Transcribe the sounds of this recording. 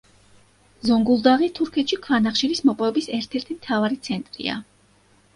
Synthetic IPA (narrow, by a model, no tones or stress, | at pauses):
zɔŋɡulˠd̪aʁit̪ʰuɾkʰɛt̪ʃikʰvanaχʃiɾismɔpʼɔvɛbisɛɾt̪ʰɛɾt̪ʰimt̪ʰavaɾit̪sʰɛnt̪ʼɾḭa̰